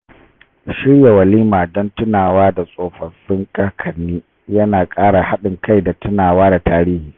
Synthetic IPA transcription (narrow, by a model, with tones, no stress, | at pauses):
ʃɪ˦rja˨wɐ˨liː˦maː˨dɔ˦ntʊ˦naː˨waː˦da˨sʼoː˨ɸɐ˨sɪ˦ŋkʼɐ˦kʰɐ˨nːiː˦ | jɐ˦naː˨kʼaː˦ɽa˨ha˦ɗɪ˨ŋkʰa˦˨jda˨tʊ˦naː˨waː˦da˨taː˦ɾiː˦hiː˨